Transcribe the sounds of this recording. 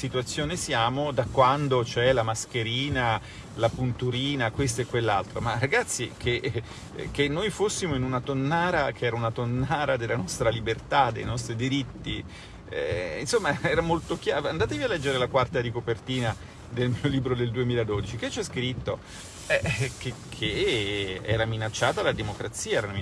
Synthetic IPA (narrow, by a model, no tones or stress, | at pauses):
sit̪uat̪sːjoːnesjaːmod̪akːwand̪ot͡ʃoɛlamask̟eɾiːna | lapunt̪uɾiːnakwes̬t̪oɛkːwelːa̰lt̪ɾomaraɡat̪sːikʰe | k̟ːenːojfosːimoinunat̪onːaːɾak̟ʰeɛːɾaunat̪onːaːɾad̪elːanɔst̪ɾalibert̪ad̪ḛjnɔst̪ɾid̪iɾit̪ːi | ɛ̰ḭnsomːaɛːɾamolt̪okjaand̪aːt̪̬evialːɛd͡ʒːeɾelakwart̪aɾikopert̪iːna | d̪elmioliːbɾod̪eld̪uemiːlad̪od̪it͡ʃiket͡ʃːɛskɾit̪ːo | ɛkekʰːe | ɛːɾaminat͡ʃːaːt̪alad̪emokɾat̪siːaɛɾam